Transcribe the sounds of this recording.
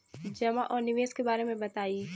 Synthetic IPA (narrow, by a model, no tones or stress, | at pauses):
d͡ʒɐmaʔɔːɾnɪʋeːskebaːɾemẽbɐt̪aːi